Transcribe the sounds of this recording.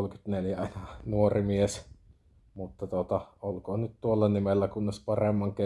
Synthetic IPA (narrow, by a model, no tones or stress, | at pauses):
lkyt̪neljæɑˑnɑnuorimies | mut̪ːɑt̪ot̪ɑolkoːnyt̪t̪uolːɑnimelːækunːespɑremːɑŋke